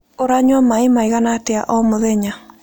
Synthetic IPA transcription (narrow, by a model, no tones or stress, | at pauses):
oɾaɲwɔmaimaiɣanatea̰ʔɔmoðɛɲa